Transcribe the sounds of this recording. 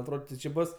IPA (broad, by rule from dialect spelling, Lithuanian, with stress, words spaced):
ɐtˈroːt tʲɪ t͡ʃʲɪ ˈbʊs